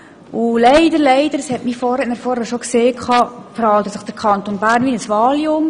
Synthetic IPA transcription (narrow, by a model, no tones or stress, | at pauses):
ʊlɛɪdəɾlɛɪd̥əɾəshɛtmiːfɔɾɛnəfɔɾɛʃokseːkʰɑːpɾɑːlt̪əsəχd̥əɾkʰɑnt̪onbæːɾnʋinəsʋɑːliʊm